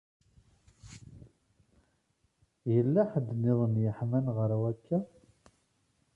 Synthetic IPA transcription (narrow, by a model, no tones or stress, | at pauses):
jəlːæħəd̪ːnɪðˤənjəħmænʁəɾwækːæ